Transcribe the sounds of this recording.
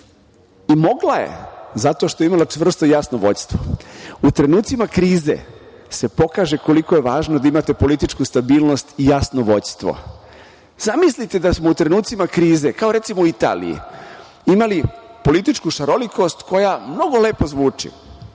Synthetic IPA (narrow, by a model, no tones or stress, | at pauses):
imo̞ɡlaje̞̰zat̪o̞ʃt̪o̞eimalot͡ʃʋr̩st̪ojasnoʋo̞̰ɟʲst̪ʋout̪ɾe̞nuːt̪simakɾiːzḛ | se̞po̞kaːʒe̞ko̞liko̞je̞ʋaːʒnod̪aimat̪e̞po̞lit̪it͡ʃkust̪abiːlˠnost̪ijasnoʋo̞ɟʲst̪ʋo̞̰ | z̥amislit̪ed̪asmout̪ɾe̞nuːt̪simakɾiːze̞kao̞ɾe̞t̪simouit̪a̰ːlḭjḭ | imalipo̞lit̪it͡ʃkuʃaɾo̞liko̞st̪ko̞jamno̞ɡo̞le̞ːpo̞zʋuːt͡ʃḭ